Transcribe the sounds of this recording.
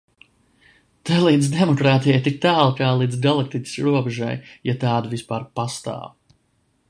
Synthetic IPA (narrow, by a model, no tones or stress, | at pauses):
t̪alˠiːd̪zd̪ɛmɔkɾaːt̪ijajt̪ik̚t̪æːlˠkaːlˠiːd̪zɡalˠak̚t̪it̪ʲi̥sɾuɔbɛʒa̰jjat̪aːd̪avispaːɾpast̪a̰ːw